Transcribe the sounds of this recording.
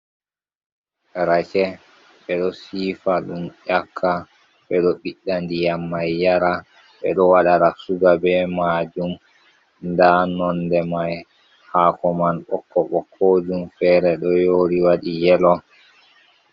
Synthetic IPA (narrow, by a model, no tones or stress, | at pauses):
ɾat͡ʃɛ | ɓɛɗɔsiːfaɗumʔakʰːa | ɓɛɗɔɓiɗːandijamːajːaɾa | ɓɛɗɔwaɗaɾasuɡabɛmad͡ʒum | ndanɔndɛmaj | haːkɔmanɓɔkːɔɓɔkʰod͡ʒumfɛːɾɛɗɔjoːɾiwaɗijɛlɔ